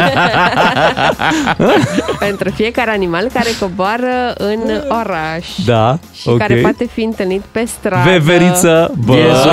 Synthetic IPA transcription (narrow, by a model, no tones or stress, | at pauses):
pe̞nt̪ɾufije̞kaɾeanimalkaɾe̞ko̞boaɾəɨnoɾaʃd̪a | ʃiokaɾeepoat̪e̞fiɨnt̪ɨlnit̪pe̞st̪ɾveveɾisəbə